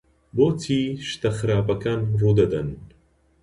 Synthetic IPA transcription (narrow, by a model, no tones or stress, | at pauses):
boːt̪ʰiːʃt̪ɐxɨɾaːpɐkaːnruːd̪ɐd̪ɐn